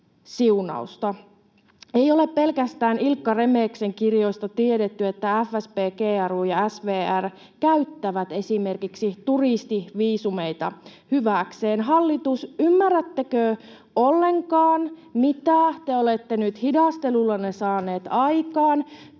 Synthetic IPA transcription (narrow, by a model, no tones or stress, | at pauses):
siunɑ̰ust̪ɑ | ejo̞le̞ppe̞lkæst̪æːnilkːɑre̞meːkse̞ŋkirjo̞ist̪ɑt̪iedet̪ːyet̪ːææfːæspeːkeːæruːjɑæsʋeːær | kæyt̪ːæʋæt̪e̞sime̞rkiksit̪urist̪iʋiːsume̞jt̪ɑ̰hyʋæˑkseːnɦɑlːit̪usymːærːæt̪ːekø | olːe̞ŋkɑːnmit̪æt̪eolet̪ːenyt̪hidɑst̪e̞lulːɑnesɑːne̞ːt̪ɑjkɑːn